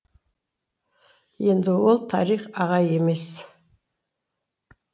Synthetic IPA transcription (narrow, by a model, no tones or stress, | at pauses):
je̞nd̪ɪwolˠt̪ʰɑɾiχɑʁɑje̞me̞s